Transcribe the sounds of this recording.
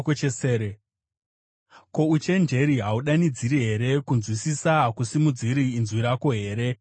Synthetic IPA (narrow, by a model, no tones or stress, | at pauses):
kot͡ʃeseːɾe | ko̞ut͡ʃe̞nd͡ʒe̞ɾiɦauɗanid͡ziɾiɦe̞ɾe̞kunzwisisakusimud͡ziɾiːnzwiɾako̞ɦe̞ːɾe̞